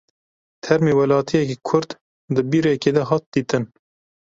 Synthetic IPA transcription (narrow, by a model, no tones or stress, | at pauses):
t̪ʰɛɾmeːwælɑːt̪ʰijɛkikʰʊɾd̪ | d̪ɨbiːɾekeːd̪ɛɦɑːt̪̚d̪iːt̪ɨn